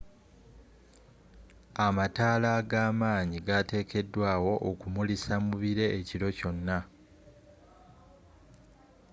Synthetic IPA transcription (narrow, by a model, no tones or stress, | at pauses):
amataːlaɡaːmaːɲiɡate̞ːkʰe̞dːwaːwo̞ʔːkumulisamuβiɾe̞ːciɾo̞co̞nːa